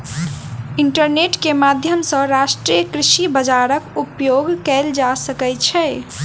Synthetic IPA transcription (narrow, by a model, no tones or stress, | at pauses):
iɳʈəɾneʈkemad̪ʱjəmsə̃ɾaʃʈɾiəkɾiʃibəd͡ʒaɾəkupjoɡkɛld͡ʒasəkɛt͡ʃʰɛ